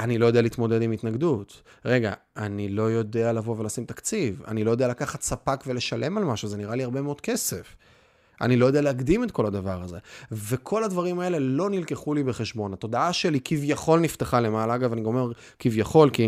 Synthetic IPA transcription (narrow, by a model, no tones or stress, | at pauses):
anilojodealit̪mo̞d̪e̞dimitnaɡd̪ut̪ | ʁe̞ɡa̰ | anilo̞jo̞dealavovelasimt̪akt͡siva̰nilo̞jo̞d̪ealakaχat̪sapakve̞le̞ʃale̞malmaʃuze̞niʁaliaʁbe̞meo̞d̥̪̚ke̞se̞f | ʔa̰nilojd̪e̞aleaɡd̪imet̪ko̞lad̪avaʁaze̞ve̞kʰo̞lad̪vaʁimae̞le̞lo̞nilke̞χulibeχeʃbo̞nhat̪o̞d̪aaʃe̞likivjaχo̞lnift̪eχale̞malaaɡavaniɡamomeʁ | kivjaχo̞lki